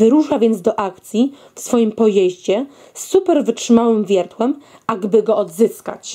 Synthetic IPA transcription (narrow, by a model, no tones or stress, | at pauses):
ɘɾuʂavʲjɛnd̪zd̪ɔʔakt̪sʲji | fsfɔjimpɔjeʑd͡ʑɛ | sːupɛɾvɘtʂɘmawɘmvʲjɛɾt̪wɛm | aɡbɘɡɔɔd̪zɘska̰t͡ɕ